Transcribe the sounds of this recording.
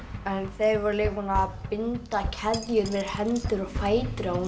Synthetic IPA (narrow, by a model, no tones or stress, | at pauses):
ɛnθevaɾlɪɣpɔnapɪnt̪acʰɛðjʏɾvɛð̥hɛnt̪ʏɾɔɣfaːjt̪ɾau